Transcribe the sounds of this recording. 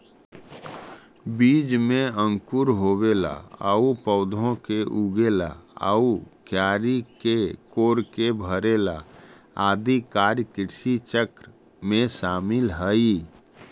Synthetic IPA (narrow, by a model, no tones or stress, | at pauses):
biːd͡ʒmẽə̃ŋkuɾɦobela̰ə̰upəʊd̪ʱõkeʔuɡela̰ə̰ukjaːɾikekoːɾkebʱəɾela̰ | aːd̪ikaːɾjkɪɾsit͡ʃəkɾ | mẽsaːmɪlɦəi